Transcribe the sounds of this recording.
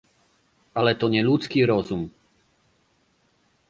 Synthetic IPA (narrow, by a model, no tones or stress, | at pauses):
alɛt̪ɔɲɛʎut͡skiːɾɔzum